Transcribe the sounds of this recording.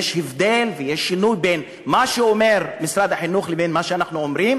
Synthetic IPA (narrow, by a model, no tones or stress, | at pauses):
eʃhevd̪elvejeʃːinujben | maʃeomeʁmisɾad̪aħinuχlebenmaʃeanaχnuomɾim